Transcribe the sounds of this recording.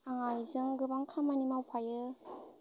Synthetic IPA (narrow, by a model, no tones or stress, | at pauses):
aŋajzɯŋɡɯbaŋkʰamanimawpʰajɯ